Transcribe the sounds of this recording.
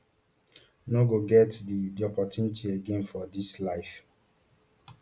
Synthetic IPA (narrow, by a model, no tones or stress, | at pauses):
noɡoɡɛtdidɔpɔtjunitʰieɡẽnfɔdislaɪf